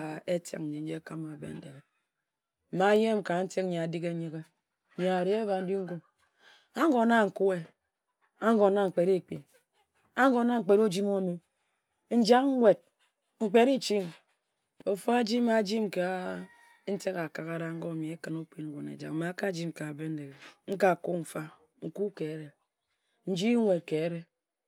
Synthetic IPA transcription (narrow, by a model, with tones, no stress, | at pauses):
e˦ta̰˨k̚n̩˨d͡ʒe˨n̩˦d͡ʒe˦ka˦ma˨bḛ˨n̩˦de˨ɾe˨ | m̩˨ma˨˦je˦m˨ka˨n̩˦te˦kɲa˨di˦ke˦ɲi˦ɣe˦˨ | ɲe˨a˨ɾe˦e˦ba˨n̩˦di˦ŋ̩˦ɡu˦m | a˦ŋ˦ɡo˨na˦ŋ̩˨ku˦e˨ | a˦ŋ˦ɡo˨na˦ŋ̩˨k͡pe˨ɾe˦˨k͡pḭ˨ | a˦ŋ˦ɡo˨˦na˦ŋ̩˨k͡pe˨ɾo˦d͡ʒi˦mo˦˨mi˨ | n̩˦d͡ʒa˦kŋ˦ŋʷe˨d̚ | ŋ͡m̩˨k͡pe˦ɾi˦t͡ʃi˦ŋ | o˨fo˦a˦d͡ʒi˦ma˨d͡ʒi˦mka˦ | n̩˦te˦ka˨ka˨ka˨ɾa˦ŋ̩˦ɡo˦˨mi˨e˦kɨ˨no˦k͡pi˦ŋ̩˦ɡʷo˨nḛ˨d͡ʒa̰˨kma˨˦ka˦d͡ʒi˦mka˨be˦n̩˦de˨ŋ̩˦ka˨ku˦m̩˨fa˦ | ŋ̩˨ku˦ke˨˦ɾe˨ | n̩˦d͡ʒi˦ŋʷe˨t̚ke˨˦ɾe˦